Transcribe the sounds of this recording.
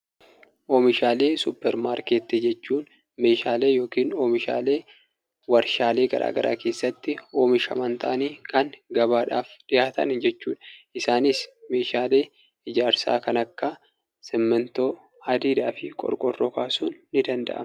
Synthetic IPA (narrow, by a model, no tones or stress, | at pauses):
ʔoːmɪʃaːle̞ːsʊpːɛɾmaːɾkeːt̪ːɛd͡ʒɛt͡ʃːuːn | me̞ːʃaːle̞ːjo̞ːkiːnoːmɪʃa̰ːle̞ː | wɐɾʃaːle̞ːɡɐ̰ɾʔa̰ːɡɐɾʔa̰ːke̞ːsːɐt̪ːɪo̞ːmɪʃɐ̰mɐnt̪ʰɐʔɐniːkɐŋɡɐbaːᶑa̰ːfᶑɪjaːt̪ɐ̰nd͡ʒɛt͡ʃːṵːᶑɐ̥ɪsaːnɪsme̞ːʃaːle̞ː | ɪd͡ʒaːɾsa̰ːkɐnɐkːɐ | sɛmːɛnt̪o̞ː | ɐd̪iːd̪aːfɪkʼɔ̰ɾkʼɔrːɔkaːsuːnːɪd̪ɐnd̪ɐ̰ʔɐ̰m